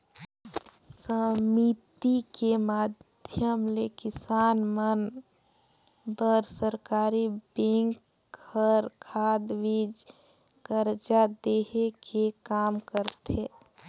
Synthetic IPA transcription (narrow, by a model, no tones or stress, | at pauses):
səmit̪ikemaːd̪ʱjəmlekɪsaːnmən | bəɾsəɾkaːɾibẽŋk | əɾkʰaːd̪ʋid͡ʒ | kəɾd͡ʒad̪eɦekʰekaːmkəɾt̪ʰe